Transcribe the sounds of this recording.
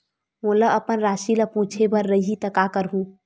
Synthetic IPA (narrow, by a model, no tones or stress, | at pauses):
moːləəpənɾaːʃiləpũːt͡ʃʰebəɾːəɦit̪əkakəɾɦũː